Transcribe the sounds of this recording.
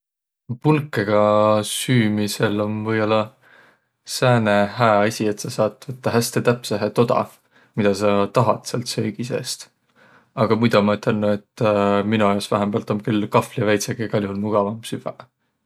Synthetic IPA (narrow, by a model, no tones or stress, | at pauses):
pulkːˑeɡ̥ɑsyːmise̞lo̞nvɤjo̞lːɑ | sæːne̞hæːɑsʲie̞t̪sɑsɑːt̪ˑvɤt̪ːɑɦæst̪e̞t̪æpseɦet̪o̞d̪̥ɑ̰ | mid̪ɑsɑt̪ɑɦɑ̰t̪seɑlt̪søːɡ̥ise̞̰ːst̪ | ɑɡ̥ɑmujd̪ɑmɑyt̪ʰːˑe̞lnue̞t̪ˑːminujosvæɦembɑlt̪omkylːkɑflijɑvæjt̪seɡ̥eɡɑlʲjuhulmuɡ̥ɑvɑmsyvæ